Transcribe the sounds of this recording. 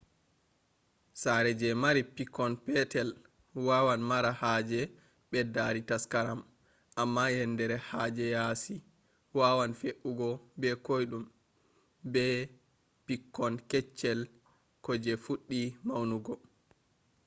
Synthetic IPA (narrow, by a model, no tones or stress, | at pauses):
saɾɛd͡ʒɛmaɾipikːɔnpɛtɛl | wawanmaɾahaːd͡ʒɛ | ɓɛdaɾitaskaɾam | ʔamːajɛndɛɾɛhad͡ʒɛjasi | wawanfeʔuɡɔbɛkojɗum | bɛ | pikːɔnkɛt͡ʃːɛl | kɔd͡ʒɛfuɗːimawnuɡɔ